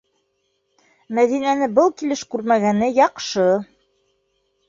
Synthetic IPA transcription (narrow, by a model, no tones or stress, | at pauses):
mæðinænɘbɤlˠkilɘʃkʉɾmæɡænɘjɑqʃɤ